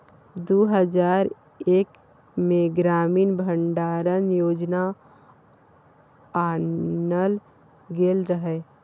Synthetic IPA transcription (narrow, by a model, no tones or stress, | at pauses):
d̪oːɦəd͡ʒaːɾ | eːk | mẽɡɾaːmiːnbʱəɳɖaːɾənjoːd͡ʒna | aːnəl | ɡeːlɾəɦɛ